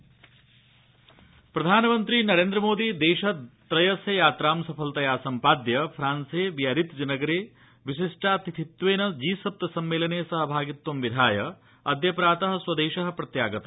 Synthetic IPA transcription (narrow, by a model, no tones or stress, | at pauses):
pɾɐd̪ʱaːnɐmɐnt̪ɾinɐɾeːnd̪ɾɐmoːd̪id̪eːʃɐt̪ɾɐjɐsjɐjaːt̪ɾaːmsɐpʰɐlt̪ɐjaːsɐmpaːd̪jɐpʰɾaːnseːʋijɐɾit̪d͡ʒɐnɐɡɐɾeː | ʋiʃiʂʈaːt̪it̪ʰit̪ʋeːnɐd͡ʒiːsɐp̚t̪ɐsɐmːeːlɐneːsɐɦɐbʱaːɡit̪ːwɐmʋid̪ʱaːjɐ | ɐd̪ʱjɐpɾaːt̪ɐɦɐswɐd̪eːʃɐɦɐ̆pɾɐt̪jaːɡɐt̪ɐ